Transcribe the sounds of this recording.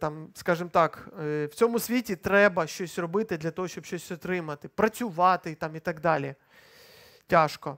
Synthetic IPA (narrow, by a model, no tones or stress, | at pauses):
t̪ɑmskaʒɨmt̪ɑkw̥t͡sʲomʊsʲʋʲitʲit̪ɾɛbɐʃt͡ʃosʲrɔbɪt̪ɪd̪lʲɐt̪oɦɔʃʲt͡ʃɔbʃʲt͡ʃosʲɔt̪ɾɪmɐt̪ɪpɾɐt͡sʲʊʋɑt̪ɪt̪ɑmit̪ɐɡd̪alʲɪɛ | tʲaʂkɔ